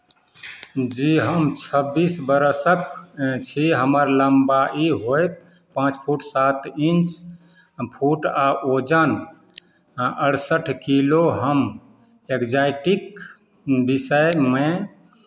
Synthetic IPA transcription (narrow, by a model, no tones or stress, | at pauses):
d͡ʒiɦəmt͡ʃʰəbisbəɾsəkt͡ʃʰiɦəməɾləmbaʔiɦojt̪̚ | pãt͡ʃpʰuʈsat̪int͡ʃ | pʰuʈaʔod͡ʒən | əɽsəʈʰkiloɦəm | ekd͡ʒajʈik | bisəjme